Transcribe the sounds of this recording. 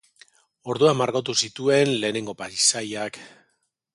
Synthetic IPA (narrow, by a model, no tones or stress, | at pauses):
o̞ɾðuamːaɾɣo̞t̪̬usit̪ue̞nle̞ːne̞ŋɡo̞paisajak